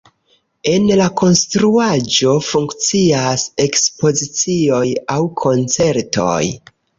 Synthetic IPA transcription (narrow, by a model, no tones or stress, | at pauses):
e̞nlako̞nstɾuad͡ʒo̞fuŋkt͡siase̞kspo̞zit͡sio̞jawkʰo̞nt͡se̞ɾto̰j